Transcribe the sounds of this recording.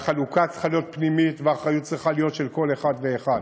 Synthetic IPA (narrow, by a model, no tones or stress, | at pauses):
χalukat͡sse̥χalijo̞t̪̚pnimitveaχʁajut̚t͡sʁiχalijot̪ʃelko̞leχad̪veːχad̪